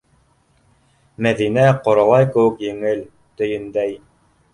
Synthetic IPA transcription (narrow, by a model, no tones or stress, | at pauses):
mæðinæqŏɾɑlˠɑjkɘ̆wɘ̆kjɘ̆ŋɘl | t̪ɵ̆jɘ̆nd̪æj